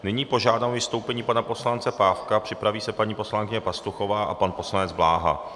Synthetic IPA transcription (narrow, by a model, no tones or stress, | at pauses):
nɪɲiːpo̞ʒaːdaːmvɪst̪o̞wpɛɲiːpanapo̞slant͡sɛpaːfkapr̝̥ɪpɾaviːsɛpaɲiːpo̞slaŋkɪɲɛpast̪uxo̞vaːʔapanpo̞slanɛd͡zblaːɦa̰